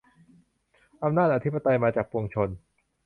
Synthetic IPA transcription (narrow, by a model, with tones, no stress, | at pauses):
ʔa˧mnaː˥˩t̪̚ʔa˧t̪ʰi˦˥pa˧t̪a˧jmaː˧t͡ɕaː˨˩k̚pu˧ŋt͡ɕʰo˧n